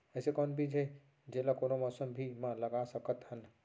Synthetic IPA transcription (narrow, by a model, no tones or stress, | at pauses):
əɪsekɔnbʱid͡ʒe | d͡ʒelakonomɔsəmbʱimãləɡasəkət̪ɦən